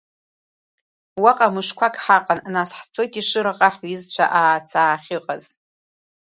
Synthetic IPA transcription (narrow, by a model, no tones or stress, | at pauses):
waqʼamɨʂkʷʰakʼħaqʼannasħt͡sʰoɡʲʼiʂɨɾaqʼaħizt͡ɕʷʰa̰ʔaːt͡sʰaːχʲɪqʼaz̥